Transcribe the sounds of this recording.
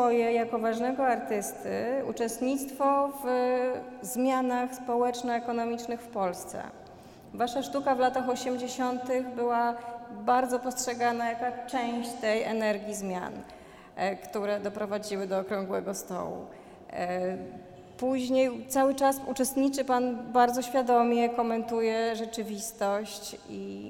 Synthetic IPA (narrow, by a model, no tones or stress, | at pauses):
ɔjɛjakɔvaʐnɛɡɔaɾt̪ɘst̪ɘ̰ut͡ʂɛst̪ɲit̪st̪fɔv | zmʲjanaxspɔwɛt͡ʂnɔɛkɔnɔmʲit͡ʂnɘxfpɔlst̪sɛ̰ | vaʂaʂt̪ukavlat̪axɔɕɛmd͡ʑeɕɔnt̪ɘɣbɘwabaɾd̪zɔpɔstʂɛɡanajakat͡ʂɛ̃w̃ɕt͡ɕt̪ɛjɛnɛɾɡʲjizmʲja̰n | kt̪uɾɛd̪ɔpɾɔvad͡ʑiwɘd̪ɔːkɾɔŋɡwɛ̰ɡɔst̪ɔ̰wṵ | puʑɲejt̪sawɘt͡ʂasut͡ʂɛst̪ɲit͡ʂɘpanbaɾd̪zɔɕfʲjad̪ɔmʲjɛkɔmɛnt̪ujɛʐɛt͡ʂɘvʲist̪ɔɕt͡ɕ | i